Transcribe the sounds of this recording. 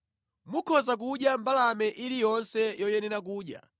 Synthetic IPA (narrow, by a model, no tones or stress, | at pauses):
mukʰɔzak̬uɗjambalamɛʔiɾijɔnsɛjɔjɛnɛɾak̬uːɗja̰